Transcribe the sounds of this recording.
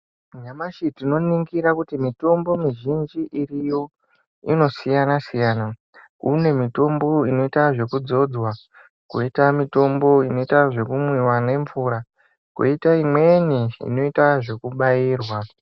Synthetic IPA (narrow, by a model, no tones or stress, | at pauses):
ɲamaʃitino̞niŋɡiɾakutimito̞mbo̞miʒind͡ʒiʔirijo̞ | ḭno̞sijanasijaːna | kune̞mito̞mbo̞ino̞itaʐe̞kud͡zo̞d͡zwa | koitamito̞mbo̞ino̞itaʐe̞kumwiwane̞ɱvuːɾa | kwo̰itaimwe̞niḭno̞itaʐe̞kuɓaiːrwa